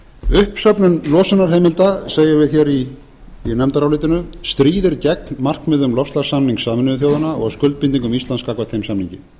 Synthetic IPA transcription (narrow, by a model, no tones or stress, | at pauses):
ʏhpsœpnʏnlɔːsanːaɾ̥ɦeːjmɪlt̪aseːjavɪðçɛɾi | nɛmt̪aɾawlɪːt̪ɪnʏst̪ɾiːðɪɾcɛknmar̥kmɪðʏmlɔfst̪lḁsamniŋksaːmɪnʏʏθjoːwðanaɔ̰ɣskʏlt̪̚pint̪̬iŋkʏmist̪lanskaːkvat̪θejmsamniɲcɪ